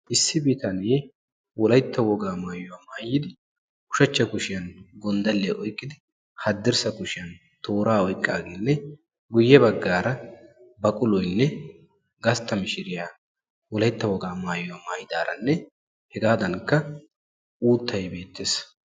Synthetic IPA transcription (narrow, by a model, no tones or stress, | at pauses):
ʔɪsːɪbiːt̪ɐne | wɔlɐjt̪ːɐwɔɡaːmaːjʊwaːmaːjːɪd̪ɪ | kʊ̥ʃɐt͡ʃːɐkʊʃɪjɐnɡɔnd̪ɐlːeʔɔjkʼːɪd̪ɪ | hɐd̪ːɪɾsɐkʊʃɪjɐn | t̪oːɾaːɔjkʼːa̰ːɡeːnːɛ | ɡʊjːɛbɐɡːaːɾɐ | bɐkʼʊlɔjnːɛ | ɡɐst̪ːɐmɪʃɪɾɪjaː | wɔlɐjt̪ːɐwɔɡaːmaːjʊwaːmaːjɪd̪aːɾɐ̰nːɛ | hɛɡaːd̪ɐŋkːɐ | ʔuːt̪ːɐjbe̞ːt̪ːes